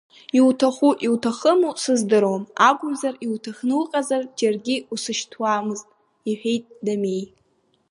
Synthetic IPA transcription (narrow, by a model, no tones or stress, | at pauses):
iwtʰaχʷuʔiwtʰaχəmusɨzdɨɾomaɡʷʼʊmzariwtʰaχnɨlqʼazard͡ʒarɡʲɪusɨʃtʰwaːmɨztʼ | iħᶣe̞jtʼdame̞j